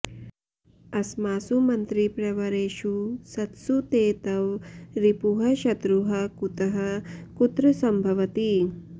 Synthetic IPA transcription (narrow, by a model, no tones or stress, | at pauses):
ɐsmaːsumɐnt̪ɾipɾɐʋɐɾeːʃusɐt̪sut̪eːt̪ɐʋɾipuɦɐʃɐt̪ɾuɦɐkut̪ɐɦɐkut̪ɾɐsɐmbʱɐʋɐt̪i